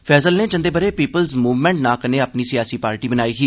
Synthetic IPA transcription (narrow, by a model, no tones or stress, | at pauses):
pʰɛːsəlneːt͡ʃə̃nd̪eːbəɾeːpiːpəlzmuːʋmɛ̃ːɳʈnãːkəneːaːpniːsɪjaːsiːpaːɾʈiːbənaːiːkiː